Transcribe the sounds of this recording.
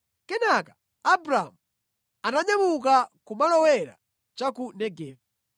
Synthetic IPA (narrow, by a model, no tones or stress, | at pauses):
kɛnakḁ | abɾamu | anaɲamukakumalɔwɛɾa̰ | t͡ʃakunɛɡɛːva